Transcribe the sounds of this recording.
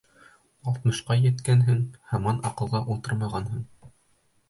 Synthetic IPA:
ɑlˠt̪̚mɤ̆ʃqɑjɘ̆t̪kænɦɘŋhɑmɑnɑqɤ̆lˠʁɑʔulˠt̪ɤɾmɑʁɑnɦɤɴ

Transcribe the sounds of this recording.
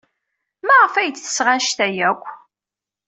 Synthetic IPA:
mæʁəfæjət͡sːθə̥sʁænʃt̪æjækʷː

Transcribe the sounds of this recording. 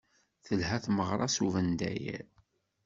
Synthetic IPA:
θəlhæθməʁɾˤɑsuvənd̪æ̰jæ̰

